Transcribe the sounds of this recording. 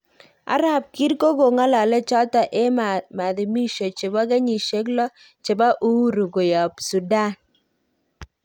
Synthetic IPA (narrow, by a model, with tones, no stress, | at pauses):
a̰˨˦ɾa˨p̚ki˦ɾko˦ɡo˨ŋa˦la˨lɛ˦t͡ʃɔ˦ta˨ʔe˦mma˨d̪ɪ˨mi˦ʃo˨t͡ʃe˨ba˦ɡe˦ɲi˨ʃe˦klɔ˦ | t͡ʃe˨ba˦ʔu˦ɾu˨ɡo˨ja˨psu˨da˦˨n